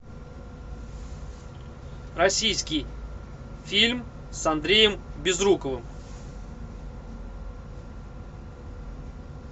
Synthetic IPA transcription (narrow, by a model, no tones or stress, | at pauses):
rɐsʲijskʲɪj | fʲilʲm | sɐnd̪ɾʲejəmbʲɪzrukəvɨm